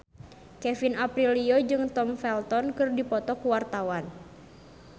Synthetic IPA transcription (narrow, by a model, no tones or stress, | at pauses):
kɛfinapɾiliod͡ʒɨŋt̪ɔmfɛlt̪ɔnkɨrdipɔt̪ɔkuwart̪awan